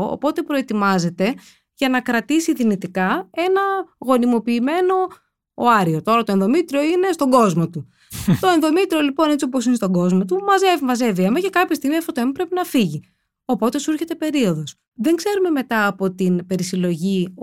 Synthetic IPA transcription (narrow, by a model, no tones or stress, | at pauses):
o̰po̞t̪e̞pɾo̞et̪imɐze̞t̪e̞ | ʝɐnɐkɾɐt̪isiðinit̪ikɐe̞nɐɣo̞nimo̞piːme̞no̞ː | ɐɾio̞t̪o̞ɾɐt̪oenðo̞mit̪ɾio̞ine̞st̪o̞ɡo̞zmo̞t̪u | t̪o̞enðo̞mit̪ɾio̞lipo̞net͡siopos̬inest̪o̞ɡo̞zmo̞t̪umɐzevimɐze̞viɐmɐcekɐpçɐst̪iɣmiɐfot̪oemɐpɾepinɐfiʝi | o̞po̞t̪e̞suɾçe̞t̪e̞pe̞ɾio̞ðo̞s | ðe̞ŋɡze̞ɾume̞me̞t̪ɐːpo̞t̪inpe̞ɾisilo̞ʝi